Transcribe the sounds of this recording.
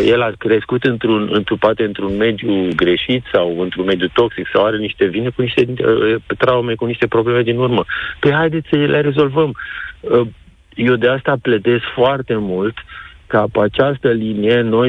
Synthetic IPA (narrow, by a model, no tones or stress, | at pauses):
je̞lakɾe̞skut̪ɨnt̪ɾunɨ̰nt̪ɾupat̪eɨnt̪ɾunme̞d̪juɡɾe̞ʃit̪sawɨnt̪ɾunme̞d̪jut̪o̞ksiksawaɾe̞niʃt̪e̞vinekuniʃt̪e̞ət̪ɾaume̞kuniʃt̪e̞pɾo̞ble̞me̞d̪inurməpeɦajd̪e̞t̪sʲsəilere̞zo̞lvəmə | je̞wd̪e̞ast̪aplət̪e̞skfoart̪e̞mult̪kapat͡ʃast̪əlinijeno̞j